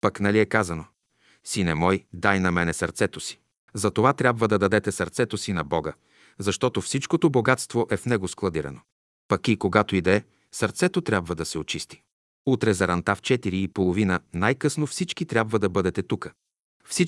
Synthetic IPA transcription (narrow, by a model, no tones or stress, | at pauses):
pɐknɐliɛkazɐno | sinɛmɔjd̪ajnɐmɛnɛsɐɾt̪sɛt̪osi̥ | zɐt̪ovat̪ɾʲabvəd̪ɐd̪ɐd̪ɛt̪ɛsɐɾt̪sɛt̪osinɐbɔɡə | zɐʃt̪ɔt̪ofsit͡ʃkot̪oboɡat̪st̪voʔɛfnɛɡosklˠɐd̪iɾɐ̰no | pɐkikoɡat̪oid̪ɛ | sɐɾt̪sɛt̪ot̪ɾʲabvəd̪ɐsɛot͡ʃist̪i̥ | ut̪ɾɛzɐɾɐnt̪aft͡ʃɛt̪iɾiːpolˠovinənajkɤsnofsit͡ʃkit̪ɾʲjabvəd̪ɐbɤd̪ɛt̪ɛt̪ukə̥ | fsi